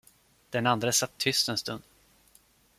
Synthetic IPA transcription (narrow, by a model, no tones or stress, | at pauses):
d̪̥ɛnand̪ɾəsat̪ʰːʏst̪ɛnst̪ɵnd̪̥